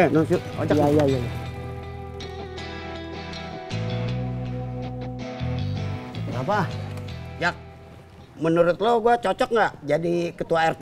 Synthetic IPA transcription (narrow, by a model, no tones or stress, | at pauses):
nosu | ot͡ʃjaijaijaija | bapa | jak̚ | mənuɾʊt̪̚loɡuat͡ʃot͡ʃɔk̚ŋɡaʔd͡ʒadikət̪uaɛrt̪